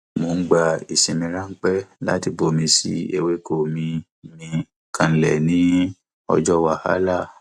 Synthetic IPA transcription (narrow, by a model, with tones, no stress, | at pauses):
mo˧n̩˦ɡ͡ba˧i˨sĩ˨mĩ˧ɾã˦ŋ̩˦k͡pɛ˦la̰˦ti˧˨bo˧˦mĩ˧sḭ˦e˦˧we˧ko˨mĩ˧ | mĩ˧ | kʰã˧˨lɛ˨nĩ˨˦ | ɔ̰˧d͡ʒɔ˦wa˦˨ha̰˨˦la˦˨